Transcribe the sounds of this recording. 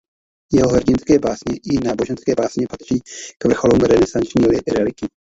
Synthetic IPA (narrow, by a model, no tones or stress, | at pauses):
jɛɦo̞ɦrɟɪnskɛːbaːsɲɛʔɪnaːbo̞ʒɛnskɛːbaːsɲɛpat̪r̝̥iːkvr̩xo̞luːmɾɛnɛsant͡ʃɲiːolɛʔɪɾɛlɪkɪ